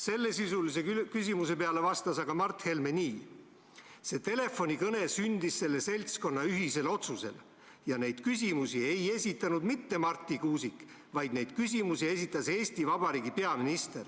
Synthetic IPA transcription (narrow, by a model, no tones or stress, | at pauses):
se̞lːe̞sisulise̞ykysimus̬e̞pe̞ɑle̞vɑst̪ɑsɑɡ̥ɑmɑrt̪he̞lmenʲiː | se̞t̪e̞le̞fo̞nʲikɤne̞synd̪̥isːe̞lːe̞se̞lʲt̪sko̞nːɑyɦise̞lo̞t̪suse̞̰l | jɑne̞jd̪̥kys̬ʲimusie̞je̞sʲit̪ːˑɑnud̪mit̪ːe̞mɑrt̪ˑːikuːsikːˑ | vɑjd̪ne̞jd̪̥kysimusie̞sʲit̪ːˑɑse̞ːsʲt̪ivɑb̥ɑɾiːɡipe̞ɑminist̪e̞r